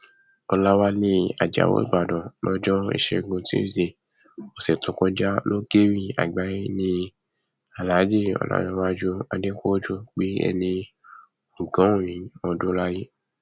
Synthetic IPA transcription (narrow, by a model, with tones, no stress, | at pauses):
ɔ˧la˦wa˦nĩ˧˦a̰˨d͡ʒa̰˨wo̰˨˦i˦˨ɡ͡ba˨dɔ̃˨lɔ˦d͡ʒɔ˦ḭ˨ʃe˧˨ɡũ˧tĩ˦˨ze˧˨ | ɔ˨sɛ˨tũ˨˦kɔ̃˧d͡ʒa˦lo˦ɡe˦ɾĩ˦˨a̰˨ɡ͡ba˨˦i˦nĩ˧ | a˨la˨˦d͡ʒe˦˨ɔ̰˧˨la̰˨˦jɔ̃˧˦wa˦d͡ʒu˦a˧de˦ko˦d͡ʒu˦˨k͡pi˨˦ɛ̰˧nĩ˧ | u˨ɡã˨˦˨ĩ˨˦ɔ˧do˦la˦ji˦